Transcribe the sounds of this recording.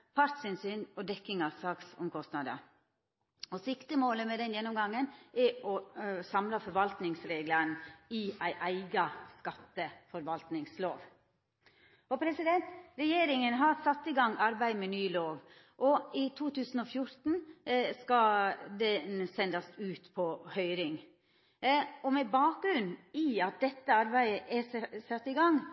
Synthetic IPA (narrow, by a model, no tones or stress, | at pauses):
pʰɑɾt̪sɪnsyːnɔd̪ɛkːɪŋɑʋsɑːksɔ̰mkʰɔst̪nɑd̪ə̰ | ɔsɪkt̪əmoːləmɛd̪ɛnjɛnːɔmɡɑŋːənɛɔsɑmlɑfɔɾʋɑlt̪nɪŋsɾeːɡlənɪæɪʔæɪɡɑskɑt̪ːəfɔɾʋɑlt̪nɪŋslo̰ːʋ | ɔpʰɾɛsɪd̪ɛnt̪ɾɛjeːɾɪŋənɦɑɾsɑt̪ːɪɡɑŋːɑɾbæɪmɛnyːloːʋ | ʔɔɪt̪ʰuːt̪ʰʉːsn̩ɔfjʊɾt̪n̩skɑd̪ɛsɛnd̪ɑsʉːt̪pʰɔhœʏɾɪŋ | ɔmɛbɑːk̚ɡɾʉnːiɑt̪̚d̪ɛt̪ːəɑɾbæɪəʔɛsɑt̪ːɪɡɑŋː